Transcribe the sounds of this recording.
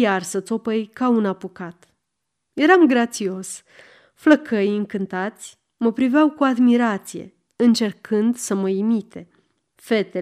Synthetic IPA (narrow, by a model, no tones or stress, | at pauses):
jarsət̪so̞pəjkaunapukat̪ | je̞ɾamɡɾat̪sio̞s | fləkʰəjɨŋkɨnt̪at̪sʲ | məpɾiveawkuad̪miɾat̪sije̞̰ | ɨnt͡ʃe̞rkʰɨnd̪səməimit̪e̞ | fe̞t̪e